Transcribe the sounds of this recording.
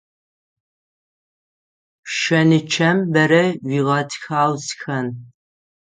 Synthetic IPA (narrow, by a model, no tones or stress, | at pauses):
ʃɐnɨt͡ʃʰɐmbɐɾɐwʷiːʁɐtʰxaːwzxɐn